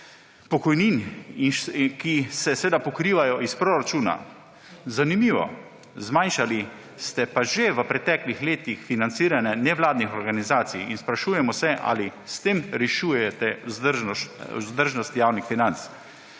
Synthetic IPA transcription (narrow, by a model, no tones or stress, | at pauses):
pɔkɔjnininkisɛsʋeːd̪apɔkɾiːʋajɔispɾoɾat͡ʃuːna̰ | zanimiːʋɔ̰ | zmajnʃali | st̪ɛpaʒeʋəpɾɛt̪ɛːklixleːt̪ixfinant̪siːɾanɛnɛʋlaːd̪nixɔɾɡanizaːt̪sijinspɾaʃuːjɛmɔsɛʔa̰list̪eːmɾɛʃujɛt̪ɛzɾʒɔṵzd̪əɾʒnɔst̪jaːwnixfinant̪s